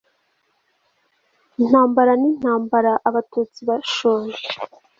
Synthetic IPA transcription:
n̥haːmbaɾanin̥haːmbaɾaʔaβatuːt͡siβaʃoːɾe

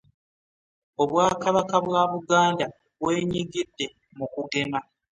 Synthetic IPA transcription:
o̞βwaːkaβakaβwaβuɡaːnda | βwe̞ːɲiɡidːe̞ | mukuɡe̞ma

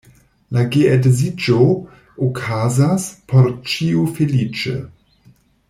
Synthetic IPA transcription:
laɡeedezid͡ʒo | okʰazaspʰoɾt͡ʃiufelit͡ʃḛ

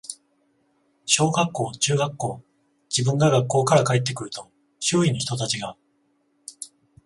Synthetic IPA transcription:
ɕo̞ːɡakːo̞ːt͡ɕɨːɡakːo̞ː | d͡ʑibɯ̟̃ŋɡaɡakːo̞ːkaɾakaet̪ːe̞kɯ̟ɾɯ̟t̪o̞ | ɕɨːinoçi̥t̪o̞t̪at͡ɕiɡa

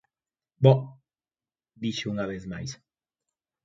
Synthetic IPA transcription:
bɔ | d̪iʃeuŋaβeθma̰js

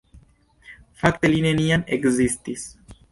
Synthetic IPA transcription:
fakt̪elinenianeɡzist̪is

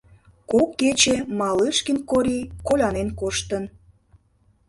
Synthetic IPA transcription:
kokːet͡ɕemɑlɨʃkinkoɾʲikolʲɑnenkoʃt̪ən

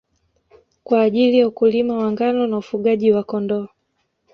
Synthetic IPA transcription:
kwaːʄilijaukulimawaŋɡanɔnaufuɠaʄiwakɔndɔa

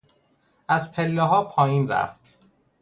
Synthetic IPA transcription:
ʔæzpʰelːeɦɒːpʰɒːjiːnɾæ̰ft̪

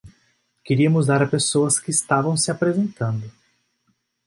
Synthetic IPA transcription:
keɾiɐmʊzd̪aɾɐpesoɐskɪːst̪avɐ̃w̃sɪapɾezẽnt̪ɐ̃nd̪ʊ

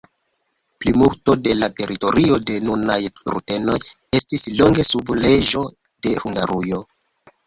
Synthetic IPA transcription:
plimuɾto̞de̞late̞ɾito̞ɾio̞de̞nunajɾṵte̞no̞j | e̞stisloŋɡe̞suble̞ʒo̞ | de̞huŋɡaɾujo̞

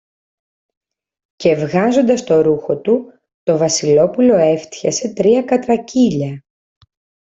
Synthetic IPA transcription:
ce̞vɣɐzo̞nd̪ɐst̪o̞ɾuxo̞t̪u | t̪o̞vɐsilo̞pulo̞e̞ft̪çɐse̞t̪ɾiɐkɐt̪ɾɐciʎɐ

